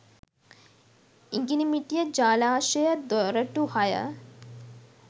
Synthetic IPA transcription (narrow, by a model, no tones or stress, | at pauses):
iŋɡinimiʈijəd͡ʒaːlaːʃəjəd̪oɾəʈuhajə̰